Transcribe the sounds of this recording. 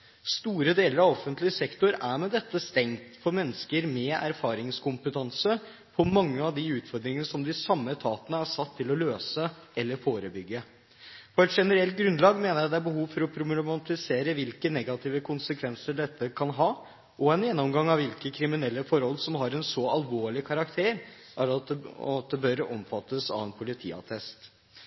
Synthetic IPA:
st̪uːɾəd̪eːləɾɑʋɔfənt̪lɪəsɛkt̪ʊɾæɾmɛd̪ɛt̪ːəst̪ɛŋt̪fɔɾmɛnːəskəɾmɛæ̰ɾfɑːɾɪŋskʊmpət̪ʰɑnsə | pʰɔmɑŋːəɑʋd̪ɪʉːt̪fɔɾd̪ɾɪŋənəsɔmd̪ɪsɑmːət̪ʰɑːt̪ənəæʂɑt̪ʰːɪlɔløːsəɛlːəɾfoːɾəbʏɡːə | fɔɛt̪ʂɛnəɾɛlt̪̚ɡɾʉnd̪lɑːɡmeːnəɾjæɪd̪ɛæɾbəɦuːʋfɔɾɔpʰɾʊmmɑnt̪ɪseːɾəʋɪlkənɛɡɑt̪ʰiːʋəkʰʊnsəkʰʋɛnsəɖɛt̪ːəkʰɑnɦɑː | ʔɔɛnjɛnːɔmɡɑŋːɑʋɪlkəkʰɾɪmɪnɛlːəfɔɾhɔlːsɔmɦɑɾɛnsɔɑlʋoːɭɪkʰɑɾɑkt̪ʰeːɾ | ʔæɾɑɑt̪̚d̪ɛbœɾɔmfɑt̪ʰːəsɑ̰ʋɛnpʰʊlɪt̪ʰḭːɑ̰t̪ʰɛst̪

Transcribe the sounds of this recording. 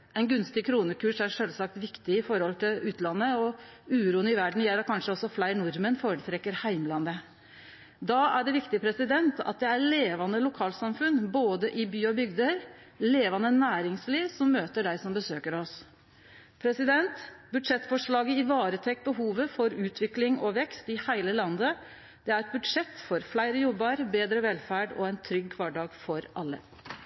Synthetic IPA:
ɛnɡʉnst̪ɪkʰɾuːnəkʰʉːʂæɾʂœlsɑk̚t̪ʋɪkt̪ɪɪfɔɾhɔlt̪ʰɪlʉːt̪lɑnːəɔʉːɾuːənɪʋæɖɳ̩jɛlːɑkʰɑnʂəɔsːɔflæɪɳʊɾmənfoːɾət̪ʰɾɛkːəɾhæɪmlɑnd̪ə | d̪ɑːæɖɛʋɪkt̪ɪəpʰɾɛsɪd̪ɛnt̪ɑ̰t̪̚d̪ɛæɾleːʋɑnəlʊkʰɑːlsɑmfʉnːboːd̪əʔɪbyːɔbʏɡd̪əɾ | leːʋɑnənæːɾɪŋsliːʋsɔmːøːt̪əɖæɪsɔmbəsøːkəɾɔs | pʰɾɛsɪd̪ɛnt̪bʉd̪ʂɛt̪ːfɔʂɭɑːɡəɪʋɑːɾət̪ʰɛk̚ːbəɦuːʋəfɔɾʉːt̪ʰʋɪklɪŋɔʋɛkst̪ɪhæɪləlɑnd̪ə | d̪̥ɛæɾɛt̪̚bʉd̪ʂɛt̪ːfɔɾflæɪɾəjɔbːəɾbeːd̪ɾəʋɛlfæːɖɔ̰æɪnt̪ʰɾʏɡkʰʋɑɖɑːɡfɔɾʔɑlːə̰

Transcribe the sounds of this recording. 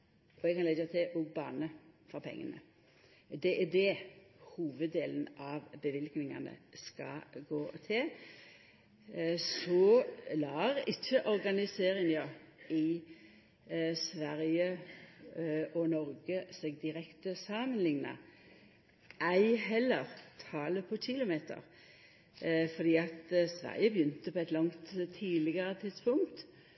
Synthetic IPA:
ɔɛɡkʰɑnɛɡət̪ʰɛʔɔɡbɑ̰ːnəfɔɑpʰɛ̰ŋːə̰nə̰ | d̪ɛʔæd̪ɛhuːʋəd̪eːlənʔɑʋbəʋɪlknɪŋɑ̰nə̰skɑ̰ɡoːt̪ʰɪl | sɔlɑːɾɪçːəʔɔɾɡɑnɪseːɾɪŋɑɪ | sʋæʁjə | ɔnɔɾɡəseːɡd̪ɪɾɛkt̪əsɑmənlɪŋnɑ̰ | æɪɦɛlːəʁt̪ʰɑːləpʰɔt͡ʃɪlʊmeːt̪ʰə̰ɾ | fɔd̪iːɑt̪sʋæ̰ʁjəbjʏnt̪əpʰɔɛɪt̪lɑŋt̪t̪ʰːiːlɪɡəɾət̪ʰɪt̪spʊŋt̪

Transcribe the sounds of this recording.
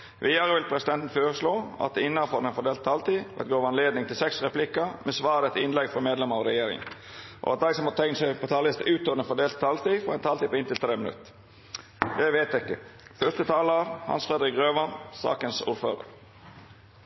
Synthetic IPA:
ʋʔiːd̪ɑɾəʋɪlpʰɾɛsɪd̪ɛnt̪n̩føːɾəsloːɑ̰t̪ɪnːɑfɔɾd̪ɛnfɔɖ̪eːlt̪t̪ʰːɑlt̪iːʋɛ̰t̪ɡoːɾɑnleːd̪nɪŋt̪ʰɪlsɛksɾɛplɪkːəmʔɛsʋɑːɾɛt̪ʰɪnlɛɡfɾɔmeːd̪lɛməɾɔɾɛjeːɾɪ̰ŋə̰n | ʔɔ̰ɑ̰t̪̚d̪æɪsɔmhɑt̪ʰɛŋnsæɪpʰɔt̪ʰɑːlɪst̪ʉːt̪oːd̪ɛnfɔɖ̪eːlt̪̚ʰːɑlt̪iːfɔɾɛnt̪ʰɑlt̪iːpɔɪnt̪ɪlt̪ʰɾeːmɪnʉ̰t̪ | jæɪʋet̪ɪkːəfœʂst̪ət̪ʰɑːləɑɾhɑ̰nsfɾɛd̪ɾɪkɾøːʋɑnsɑ̰ːkənsṵːɾfø̰ːɾə̰ɾ

